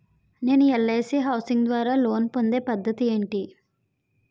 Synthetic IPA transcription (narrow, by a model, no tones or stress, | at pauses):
ne̞ːnuɛɭːeːsiɦɐwsiŋɡd̪ʋaːɾaːlo̞ːnpo̞nd̪e̞ːpɐd̪ːɐt̪ie̞ːɳʈi